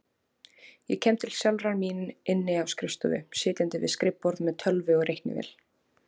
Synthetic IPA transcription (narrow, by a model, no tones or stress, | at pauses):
jɛcʰɛːmt̪ʰɪlsjɛlɾaminɪnːɪawskɾɪst̪ʏðʏ̰sɪːt̪ɪnt̪ɪvɪ̰skɾɪpːɔɾðmɛðt̪ʰœlvɪɔɣrejhk̪nɪ̰vɪ̰l̥